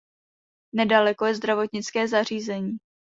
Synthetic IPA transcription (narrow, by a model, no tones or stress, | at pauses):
nɛdalɛkojɛzd̪ɾavo̞t̪ɲɪt͡skɛːzar̝iːzɛɲiː